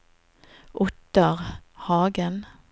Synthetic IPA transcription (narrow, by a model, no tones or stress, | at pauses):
ʔʊt̪əʁhɑːɡən